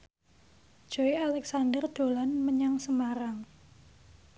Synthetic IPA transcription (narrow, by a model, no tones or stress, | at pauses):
ʒ̥o̤ialɛksandərd̪̥o̤lanməɲaŋsəmaɾaŋ